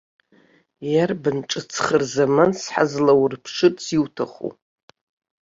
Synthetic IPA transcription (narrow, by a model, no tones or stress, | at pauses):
jarbɨnʈ͡ʂʼɨt͡sʰχərzamansħa̰zlawrpʰʂɨt͡siwtʰaχṵ